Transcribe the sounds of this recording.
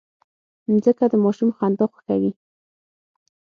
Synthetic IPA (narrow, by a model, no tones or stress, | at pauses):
zəkad̪əmɑʃumxand̪oxḁxawi